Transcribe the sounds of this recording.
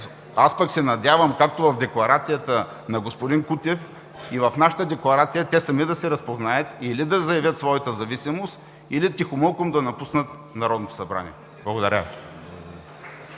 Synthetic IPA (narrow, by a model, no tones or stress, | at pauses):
aspəksɛnɐd̪ʲavəmkak̚t̪ovɐvd̪ɛklˠɐɾat̪sijət̪ə | nɐɡospod̪inkut̪ʲɛf | ivɐfnaʃə̥t̪əd̪ɛklˠɐɾat̪sijət̪ɛsɐmid̪ɐsɛɾɐspoznaɛt̪ilid̪ɐzɐjɐvʲjət̪svɔjɐt̪əzɐvisimost̪ | ilit̪ixʊmolˠkomd̪ɐnɐpusnət̪ | nɐɾɔd̪not̪o̥sɐbɾa̰nḭɛ | blˠɐɡod̪ɐɾʲə